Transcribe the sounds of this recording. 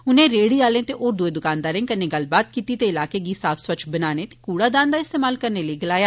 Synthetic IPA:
ʊnẽːɾeːɽiːaːlẽːt̪eːʔoːɾd̪ʊeːd̪ʊkãːnd̪aːɾẽːkənẽːɡəlbaːt̪̚kiːt̪iːt̪eːɪlaːkeːɡiːsaːpʰswət͡ʃʰbənaːneːt̪e̥ːkuːɽaːd̪aːnd̪aːɪst̪eːmaːlkəɾneːləiɡəlaːjaː

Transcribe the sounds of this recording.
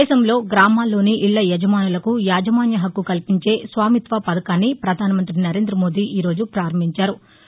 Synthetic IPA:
ɛːʃɐmlo̞ːɡɾaːmaːlːo̞ːniʔiɭːɐjɛd͡ʒɐmaːnulɐkujaːd͡ʒɐmaːnjɐɦɐkːukɐlpiɲt͡ʃe̞ːsʋaːmit̪ʋɐpɐd̪ɐkaːnːipɾɐd̪ʱaːnɐmɐnt̪ɾinɐɾe̞ːnd̪ɾɐmo̞ːd̪iːʔiːɾo̞ːd͡ʒupɾaːɾɐmbʱiɲt͡ʃaːɾu

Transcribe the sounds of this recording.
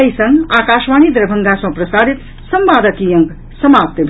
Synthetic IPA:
əjsʌŋɡakasmanid̪ɾʌbʱʌŋɡasʌ̃prʌsaɾit̪ | sʌmbad̪ʌkijʌŋɡ | sʌmap̚t̪bʱ

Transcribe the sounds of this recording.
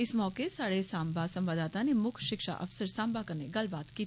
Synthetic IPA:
ɪsmɔːkesaːɽesaːmbasɐ̃mʋaːd̪aːt̪anemʊkʰʃɪkʃa̰ʔɐ̰fsəɾsãːmbakɐɾneɡɐlbaːt̪kiːt̪ʰi

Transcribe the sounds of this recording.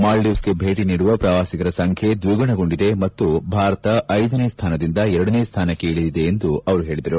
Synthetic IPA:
maːlɖiʋsɡebʱe̞ːʈiniːɽuʋɐpɾɐʋaːsikɐɾɐsɐŋkʰje̞d̪ʋiɡɐɳɐɡo̞ɳɖid̪e̞mɐt̪ːubʱaːɾɐt̪ɐʔɐjd̪ɐneːst̪ʰaːnɐd̪ind̪ɐɛɾɐɽɐneːst̪ʰaːnɐkeːɭid̪id̪e̞ːnd̪uɐʋɐɾuɦe̞ːɭid̪ɐɾu

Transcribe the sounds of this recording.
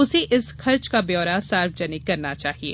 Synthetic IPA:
ʊseʔɪsxɐɾt͡ʃkabjɔːɾasaːɾfd͡ʒɐnɪkːɐɾnat͡ʃaːɦiḛː

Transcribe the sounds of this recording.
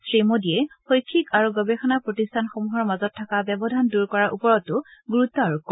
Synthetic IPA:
sɹimodiɛxojkʰːikaɹuɡɔbexɔnapɹotistʰanxomuɦɔɹmazɔtʰːakabɛbɔdʱanduɹkɔɹaʔupɔɹɔtːʊɡuɹut̪ːɔaɹukːɔ

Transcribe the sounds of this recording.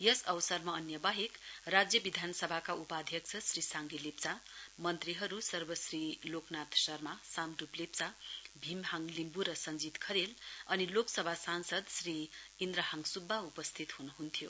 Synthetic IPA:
jʌsʌwsʌrmaːnjʌbaɦekrad͡zjʌbid̪ʱanʌsʌbʱakaupad̪ʱjʌksʰʌsrisaŋɡilept͡samʌnt̪riɦʌɾusʌrbʌsriloknat̪sʌrmasamɖuplep̚t͡sabʱimɦaŋlimbuɾʌsʌnd͡zit̪kʰʌɾelʌniloksʌbʱasansʌd̪sriːnd̪ɾʌɦaŋsubʱːaupʌst̪ʰit̪hunuɦunt̪ʰijo

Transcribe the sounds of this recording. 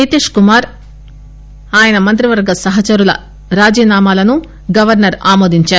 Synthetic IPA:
et̪eːʂkumaːɾ | aːjɐnɐmɐnt̪ɾiʋɐɾɡɐsɐɦɐt͡ʃɐɾulɐ̰ | ɾaːd͡ʒiːnaːmaːlɐnu | ɡɐʋɐɾnɐɾa̰ːmoːd̪iɲt͡ʃaːu

